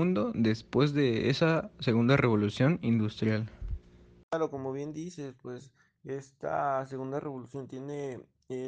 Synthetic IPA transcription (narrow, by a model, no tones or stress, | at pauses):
und̪o̞ðespwe̞zðe̞ḛsase̞ɣund̪are̞βo̞lusjo̞nind̪ust̪ɾjal | kaɾo̞ko̞mo̞βje̞nd̪isespwe̞s | e̞st̪a̰seɣund̪arʔeβolusjo̞nt̪je̞ne